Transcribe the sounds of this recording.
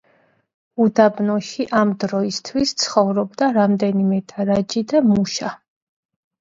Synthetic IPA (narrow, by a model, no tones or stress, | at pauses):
ud̪abnɔʃiʔamd̪ɾɔist̪ʰwist̪sʰχɔvɾɔbd̪aɾamd̪ɛnimɛd̪ʰʼaɾad͡ʒid̪amuʃa